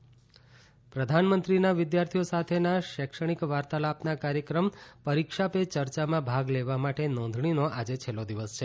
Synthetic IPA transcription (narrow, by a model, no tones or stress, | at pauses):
pɾəd̪ʱanmənt̪ɾinaʋɪd̪jaɾt̪ʰijosat̪ʰenaʃɛkʃəɽ̃ikʋaɾt̪alapnakaɾjəkɾəmpəɾikʃapet͡ʃəɾt͡ʃamãbʱaɡleʋamaʈenɔ̃nd̪ʱɳinoʔad͡ʒet͡ʃʰelːod̪iʋəst͡ʃʰe